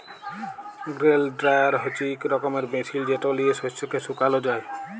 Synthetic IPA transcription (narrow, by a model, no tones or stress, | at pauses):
ɡɾelɖɾajaɾɦɔt͡ʃikɾɔkɔmeɾmetʰild͡ʒeʈɔliesɔsɔkesukalɔd͡ʒaj